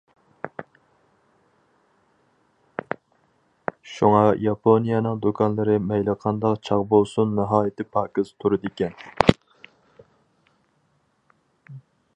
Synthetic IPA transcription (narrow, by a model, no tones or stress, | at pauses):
ʃuŋɑjɑpʰonijɛnɨŋd̪ukʰɑnlˠɨɾɨmɛjlˠəqʰɑnd̪ɑqt͡ʃʰɑʁbolˠsunːɨɦɑːjɪt̪ʰɪpʰɑːkɪz̥t̪ʰuɾɨd̪ɪkʲɛn